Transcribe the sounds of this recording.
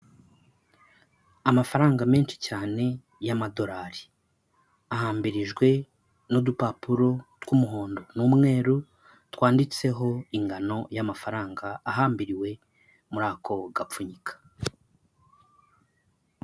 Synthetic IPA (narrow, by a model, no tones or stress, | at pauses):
amafaɾaːŋɡame̞ːnʃi̥caːne̞ | jamado̞ɾaɾi | ahaːmbiɾiʒɡwe̞ | nudupapuɾo̞twumuɦo̞ːndo̞nuːmŋe̞ːɾu | twaːndit͡se̞ɦo̞iŋɡano̞jamafaɾaːŋɡaːɦaːmbiɾiwe̞ | muɾaːkʰo̞ɡapp͡fuɲikʰḁ